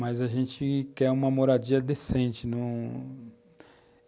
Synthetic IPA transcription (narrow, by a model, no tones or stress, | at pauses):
mɐzaʒẽnt͡ʃɪkɛũmɐmoɾad͡ʒiɐd̪esẽnt͡ʃɪnɐ̃